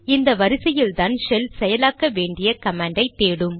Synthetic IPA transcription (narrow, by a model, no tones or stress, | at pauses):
ɪnd̪ɐʋɐɾɪsɐjɪld̪aːnʃɛlsɛjɐlaːkːɐʋeːɳɖɪjɐkɐmaːɳɖɐɪt̪ːeːɽɯm